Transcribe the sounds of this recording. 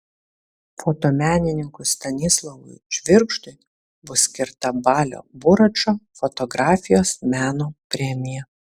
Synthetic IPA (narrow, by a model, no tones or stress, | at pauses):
foːt̪oːmʲæːnʲɪnʲɪŋkʊst̪ɐnʲɪslˠɐʋʊ̰ɪʒʲʋʲɪɾkʃt̪ʊɪ | bʊsʲkʲɪɾt̪ɐbɑːlʲo̰ːbʊɾɐt͡ʃoːfɔt̪ɔɡɾɑːfʲɪjoːsmʲæːnoːpʲɾʲɛmʲɪjɛ